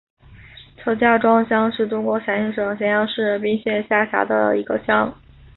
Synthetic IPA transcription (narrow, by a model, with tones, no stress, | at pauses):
t͡sʰɤ˧˥t͡ɕja˥˩ʈ͡ʂwɑ˥ŋɕjɑ˥ŋʂɻ̩˥˩ʈ͡ʂʊ˥ŋkwɔ˧˥ɕʰjɛ˧˥nɕɛ˥˩ʂɤ˨˩ŋɕ̬jɛ˧˥njɑ˥˧ŋʂɻ̩˥˧˩p̬i˥˧ŋɕjɛ˥˧nɕja˥˩ɕja̰˧˥d̪ə̰˧i˧˥ɡə˧ɕjɑ˥ŋ